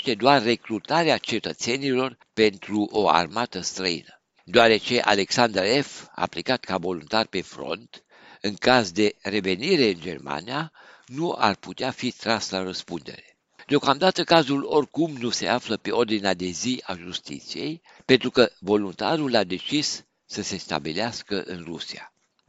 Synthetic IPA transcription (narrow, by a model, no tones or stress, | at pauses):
t̪e̞d̪oarːe̞kɾut̪aɾeat͡ʃe̞t̪ət̪se̞nilo̞r | pe̞nt̪ɾuʔo̞a̰rmat̪əst̪ɾəḭnə | d̪oaɾe̞t͡ʃe̞ʔa̰le̞ksand̪ɾe̞fa̰ːplikat̪kavo̞lunt̪arʲpe̞fɾo̞̰nt̪ | ɨŋkazd̪e̞re̞ve̞niɾe̞ɨnd͡ʒe̞̰rma̰nia | nua̰rput̪eafit̪ɾaslaɾəspund̪e̞̰ɾe̞ | d̪eo̞kamd̪at̪əkazulo̞rʲkumnuse̞afləpe̞o̞rd̪inead̪e̞ziaʒust̪ḭt̪sije̞̰j | pe̞nt̪ɾukəvo̞lunt̪a̰ɾulad̪e̞t͡ʃisː | əse̞st̪a̰bileaskəʔɨnrusia̰